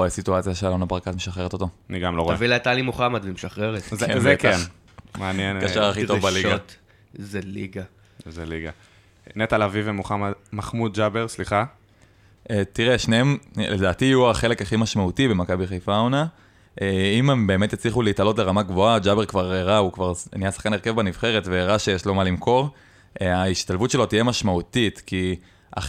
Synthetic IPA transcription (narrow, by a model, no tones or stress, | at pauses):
oesituat͡sjaʃealonabʁakat̪meʃaχeʁet̪o̞toaniɡamloʁoaevilat̪alimoχamad̪vemeʃaχʁeʁet̪zzeke | maanjenkaʃaʁaχitovbaliɡat̪ | zeliɡa | zeliɡa | net̪alavivemoχamad̪maχmud̪̚d͡ʒabeʁsliχa | et̪iʁeʃneemledaːt̪ijuaχe̞le̞kaχimaʃmautibe̞makabiχejfaona | ʔeimembe̞me̞t̪jet͡sliχuleit̪alo̞tleʁamaɡvoad͡ʒabeʁkvaʁeʁaukvaʁnijasḁχkaneke̞vbaniv̥χe̞ʁetveːʁaʃejeʃlo̞malimkʰo̞ʁ | ʔaiʃt̪alvutʃe̞lo̞t̪ije̞maʃmaut̪it̪ki | ʔa̰